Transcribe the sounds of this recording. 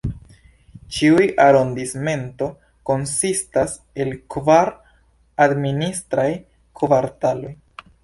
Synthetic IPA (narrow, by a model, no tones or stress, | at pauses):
t͡ʃiujaɾo̞ndisme̞nto̞ | ko̞nsistas | e̞lkvaɾ | administɾaj | kʰovaɾtalo̞j